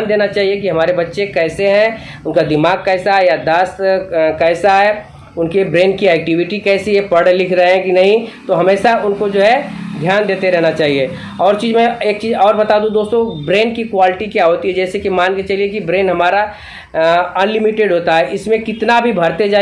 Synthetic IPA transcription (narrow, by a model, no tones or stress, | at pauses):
nd̪eːnat͡ʃaːɦiekiɦɐmaːɾebɐtːʃekɛːseɦɛ̃ʊnkad̪ɪmaːɡ̚kɛːsaɦɛjad̪aːskɛːsaɦɛ | ʊnkebɾeːnkiɛːk̚ʈɪʋɪʈikɛːsijepɐɽlɪkʰɾɐɦeɦɛ̃kinɐɦĩt̪oɦɐmeːʃaʊnkod͡ʒoːɦɛd̪ʱjaːnd̪eːt̪eɾɛɦnat͡ʃaːɦie | ɔːɾt͡ʃiːzmẽeːk̚t͡ʃiːzɔːɾbɐt̪aːd̪ũd̪oːst̪obɾeːnkikwaːlɪʈikjaɦoːt̪iɦɛd͡ʒɛːsekimaːnket͡ʃɐliekibɾeːnɦɐmaːɾa | ɐnlɪmɪʈeɖɦoːt̪aɦɛʔɪsmẽkɪt̪nabʱibʱɐɾt̪ed͡ʒaː